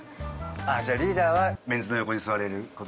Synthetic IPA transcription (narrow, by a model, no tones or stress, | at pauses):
aːd͡ʑaːɾʲiːd̪aːβamẽ̞nd͡zɨno̞jo̞ko̞ɲ̟isɨβaɾe̞ɾɯ̟ko̞t̪o